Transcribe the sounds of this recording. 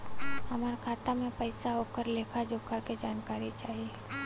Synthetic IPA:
hɐmaːɾkʰaːt̪amẽpəɪsaɦoːkəɾleːkʰad͡ʒoːkʰaked͡ʒaːnkaːɾit͡ʃaːɦieː

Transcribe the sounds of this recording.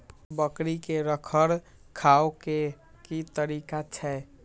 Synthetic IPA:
bəkɾikeɾəkʰəɾ | kʰaoke | kit̪əɾikat͡ʃʰɛ

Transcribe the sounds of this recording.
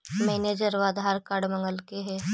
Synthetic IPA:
mɛːneːd͡ʒəɾʋaːd̪ʱaːɾkaːɽmə̃ŋɡəlkeɦɛ

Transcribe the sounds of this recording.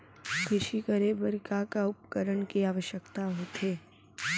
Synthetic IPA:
kʰɪʃikəɾeːbəɾkakaʊpkəɾəɳkiaːʋəʃjəkt̪aɦoːt̪ɦeː

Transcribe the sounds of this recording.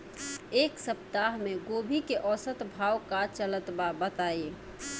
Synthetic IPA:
eːksəp̚t̪aɦmẽɡoːbʱikeʔɔːsət̪bʱaːwkat͡ʃələt̪babət̪aːe

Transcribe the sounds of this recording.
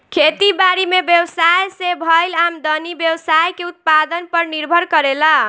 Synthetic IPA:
kʰet̪ibaɾimebjewsajsebʱʌjlamd̪ʌnibjewsajkeut̪̚pad̪ənpəɾniɾbʱʌɾkʌɾela

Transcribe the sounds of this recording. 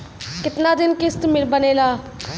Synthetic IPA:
kɪt̪naːd̪ɪnkɪst̪mɪɾbəneːlaː

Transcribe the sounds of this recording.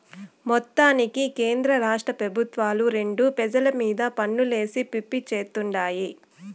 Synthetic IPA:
mɔt̪ːaːnikikeːnd̪ɾɐɾaːʂʈɾɐpɾɐbʱut̪ʋaːluɾe̞ɳɖupɛd͡ʒɐlɐmiːd̪ɐpɐɳːule̞ːsipipːit͡ʃe̞ːt̪uɳɖaːji

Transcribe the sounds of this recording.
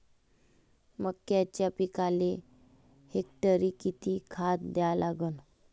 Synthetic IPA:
məkːjat͡ɕjapikale | hek̚ʈəɾikit̪iːkʰat̪̚d̪jalʔaɡən

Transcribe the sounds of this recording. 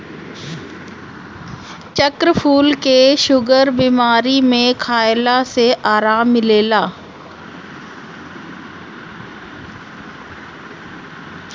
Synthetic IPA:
t͡ɕəkɾfʰuːlkeːʃʊɡəɾbiːmaːɾimẽkʰaːɪlaseʔaːɾaːmːɪleːlaː

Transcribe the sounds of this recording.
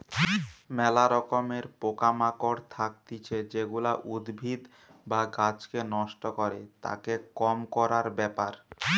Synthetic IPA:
mɛlaɾɔkomeɾpokamakoɽt̪ʰak̚t̪it͡ɕʰed͡ʑeɡulaʔud̪bʱid̪ | baɡat͡ɕkenɔʃʈokoɾet̪a̰kekɔmkɔɾaɾbɛpaɾ

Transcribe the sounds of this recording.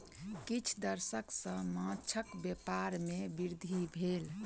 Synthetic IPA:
kit͡ʃʰd̪əɾsəksə̃mãt͡ʃʰəkbepaɾmebiɾd̪ʱibʱel

